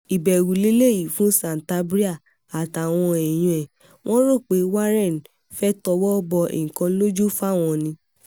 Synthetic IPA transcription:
i˨bɛ˨ɾu˨le˨˦le˦˨ji˨fũ˦sã˨n˨ta˦bɾi˦a˦˨ | a˨ta˨w̃ɔ̃˧ɛ˨j̃ũ˧ɛ˨ | w̃ʔɔ̃˦ɾo˦˨k͡pe˨˦wa˦ɾɛ˦˨n˨ | fɛ˦tɔ˧wɔ˦bɔ˧ḛ̃˨kɔ̃˧˦lo˦d͡ʒu˦fa˦˨w̃ɔ̃˧nĩ˧

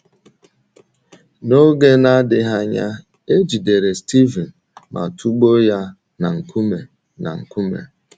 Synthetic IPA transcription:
no˦ɡe˦na˦dɪ˨ɦa˦ɲa̰˦ | e˦d͡ʒi˨de˨ɾe˨sti˦vi˨n | mʔa̰˨tʰu˦ɡ͡bo˦ja˦ | na˨ŋ̩˨ku˦me˨ | na̰˨ŋ̩˨ku˦mḛ˨

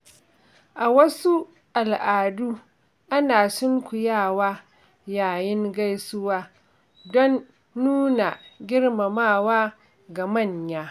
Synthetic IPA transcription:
ʔa˨wɐ˦su˦ | ʔa˨lʔaː˨duː˦ | ʔa˦naː˨sʊ˦ŋkʷʊ˨jaː˦˨waː˦ | jaː˨jɪ˦ŋɡa˦jsʊ˦waː˦ | dɔ˦nː | uː˦na˨ɡʲɪ˦rma˨maː˦˨waː˦ | ɡa˨mɐ˦˨ɲjaː˦

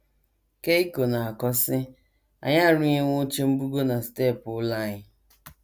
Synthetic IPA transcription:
ke˦i˦ko˨na˨a˨kɔ˦sɪ˦ | a̰˨ɲa˦˨ɾʊ˦ɲe˦ŋʷo˦t͡ʃe˦m̩˦bu˦ɡo˦na˨ste˦˨pʊ˨˦la˦˨ɲɪ˦

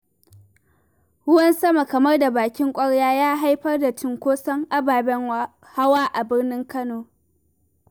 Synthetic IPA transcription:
hʊ˦wɐ˦nsɐ˦ma˨kɐ˨mɐ˦rda˨baː˨kʲɪ˦ŋkʷʼɐ˦ɽjaː˦jaː˦ɦa˦jɸɐ˦rda˨tɪ˨ŋkʷoː˦sɐ˦ŋʔa˦baː˨bɛ˦ | ha˦waː˦ʔa˨bɪ˦rnɪ˦ŋkɐ˦noː˨

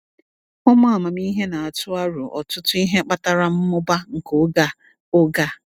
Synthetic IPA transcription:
ʊ˦mʊ˦a˨ma˨mi˦ɦe˦na˨a˨tʊ˦a˦ɾʊ˨ʔɔ̰˨tʊ˦tʊ˦i˦ɦe˦k͡pa˦ta˦ɾa˦m̩˦mʊ˦ba˦ŋ̩˨ko˦ɡa˦ | ʊ˦ɡa˦˨

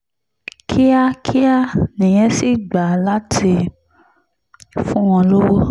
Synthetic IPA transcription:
kʰi˦a˦kʰi˦a˦nĩ˨j̃ɛ̃˦si˦˨ɡ͡ba˨la˦ti˧ | fũ˦w̃ɔ̃˧lo˦wo˦

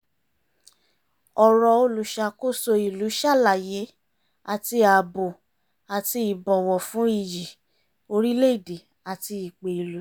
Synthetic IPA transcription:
ɔ˨ɾɔ˨˧o˧lu˨ʃa˧ko˦˨so˧i˨lu˨˦ʃa˦˨la˨je˨˦ | a˨ti˧a˨bo˨ | a˨ti˧i˨bɔ˨wɔ˨fũ˨˦i˦˨ji˨ | o˧ɾi˦le˦i˦˨de˨ | a˨ti˧i˨k͡pe˨i˨lu˨˦

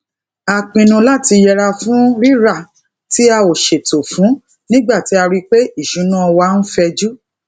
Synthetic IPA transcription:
a˨k͡pĩ˧˨nũ˧la˦˨ti˧jɛ˧ɾa˧fũ˦ɾi˦ɾa˦˨ | ti˨˦a˧o˨ʃe˨to˨fũ˨˦ | nĩ˦ɡ͡ba˦˨ti˨˦a˧ɾi˦k͡pe˦i˦˨ʃũ˨˦nã˦ɔ˧wa˧n̩˦fɛ˧d͡ʒu˦

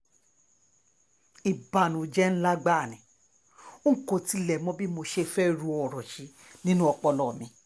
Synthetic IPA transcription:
i˨ba˨nũ˨d͡ʒɛ˦n̩˦la˦ɡ͡ba˦˨nĩ˨˦ | o˦ŋ̩˦˨ko˧ti˨˦lɛ˨mɔ̃˦bi˦mo˧ʃe˦fɛ˦ɾu˧˦ɔ˨ɾɔ˨ʃi˨˦ | nĩ˦nũ˦ɔ˧k͡pɔ˧lɔ˨mĩ˨˧˦

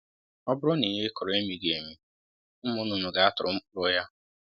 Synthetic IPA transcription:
ɔ˦bʊ˦ɾʊ˦ni˨ɦe˦kɔ˨ɾɔ˨e˦mi˨ɡe˨mi˦ | m̩˦mʊ˦nʊ˨nʊ˨ɡa˨a˦tʊ˨ɾʊ̰˨m̩˦ʊ˦ɾʊ˦ja˦

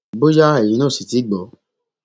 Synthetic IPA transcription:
bo˦ja˦e˨jĩ˨˦nã˦˨si˨ti˨˦ɡ͡bɔ˨˦

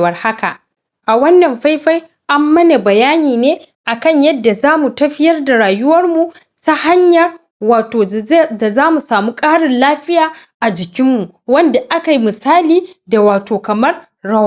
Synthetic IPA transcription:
wɐ˨rha˦ka̰˨ʔ | ʔa˨wɐ˦nːɐ˨mɸa˦jɸa˦j | ʔa˦mːɐ˦na˨bɐ˨jaː˦niː˨neː˦ | ʔa˨kɐ˦ɲjɐ˦dːa˨zaː˦mu˨tɐ˦ɸɪ˦jɐ˦rda˨ɾaː˨jʊ˦wɐ˦rmu˨ | ta˦ha˦ɲjɐ˨r | waː˨toː˨da˨zaː˦mu˨saː˨muː˦kʼaː˦ɽɪ˨nlaː˦ɸɪ˦jaː˨ʔa˨d͡ʒɪ˨kʲɪ˦mːu˨ | wɐ˦nda˨ʔa˦ka˨ji˦mɪ˨saː˦liː˨da˨waː˨toː˨kɐ˨mɐ˦r | ɽɐ˦w

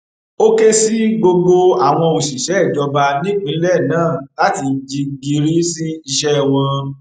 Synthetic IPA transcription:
o˦ke˦si˦ɡ͡bo˧ɡ͡bo˧a˨w̃ɔ̃˧o˨ʃi˨ʃɛ˨˦ɛ˦˨d͡ʒɔ˧ba˧nĩ˦k͡pĩ˨˦lɛ˦˨nãː˨˦˨la˨˦ti˧d͡ʒi˧ɡi˧ɾi˦si˦i˧ʃɛ˦˨w̃ɔ̃˧

